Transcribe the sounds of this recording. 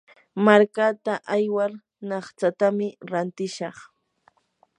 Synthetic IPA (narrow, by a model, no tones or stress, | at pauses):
maɾkat̪aʔajwaɾ | nɑχt͡sat̪amɪɾant̪ɪʃɑχ